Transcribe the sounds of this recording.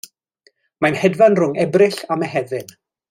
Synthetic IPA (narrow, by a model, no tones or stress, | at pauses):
manhɛdvanrʊŋɛbrɪɬamɛɦɛvɪn